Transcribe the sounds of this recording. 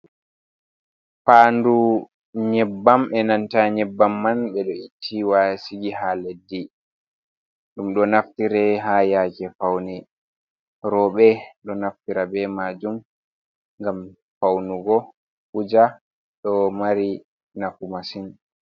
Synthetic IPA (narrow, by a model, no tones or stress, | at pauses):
paːndu | ɲɛbːamɛnantaɲɛbːamːanɓɛɗɔitʰːiwasiɡiɦaledːi | ɗumɗɔnaftiɾɛɦajakɛfawnɛ | ɾɔɓɛɗɔnaftiɾabɛmad͡ʒum | ŋɡam | fawnuɡɔ | hud͡ʒa | ɗɔmaɾi | nafumasin